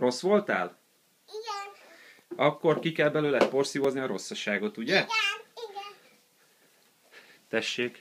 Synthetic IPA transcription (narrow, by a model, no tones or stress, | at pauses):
ro̞sʋo̞lt̪a̰ːl | ɒkːo̞rkikɛlbɛløːlɛt̪̚po̞rsivozniɒɾo̞sːɒʃaːɡo̞t̪uɟɛ | t̪ɛʃːeːk